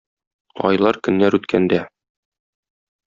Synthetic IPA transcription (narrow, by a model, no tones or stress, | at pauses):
ɒ̰jlˠɑɾkɵ̆nːæɾʉt̪kʰænd̪æ